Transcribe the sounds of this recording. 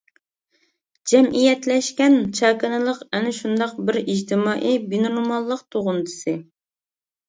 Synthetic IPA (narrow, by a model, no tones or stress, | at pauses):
d͡ʒɛmʔijɛt̪lɛʃkʲɛnt͡ʃʰɑːkɨnɨlˠəqɛnɪʃund̪ɑqbɪɾid͡ʒt̪ʰɪmɑːʔibinonmɑlˠːəqt̪ʰoʁʊnd̪ɨsɨ